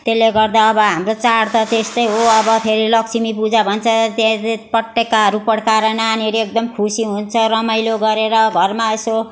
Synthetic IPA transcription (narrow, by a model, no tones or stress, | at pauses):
t̪elːeɡʌrd̪aʌbʌɦamrot͡saɽt̪ʌt̪est̪ʌjɦoʌbʌpʰeɾilʌksʰimipud͡zabʱʌnt͡sʰʌt̪apʌʈːekːaɦʌɾupʌɽkaɾananiɦʌɾuek̚d̪ʌmkʰusiɦunt͡sʰʌɾʌmʌjloɡʌɾeɾʌɡʱʌrmaeso